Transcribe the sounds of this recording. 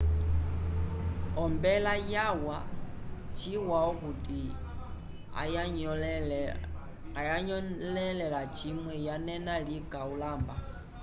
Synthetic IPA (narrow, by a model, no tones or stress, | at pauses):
ɔmbɛlajawa | t͡ʃiwaɔkuti | ajaɲlɛlɛlat͡ʃimwɛjanɛnalikaulaːmba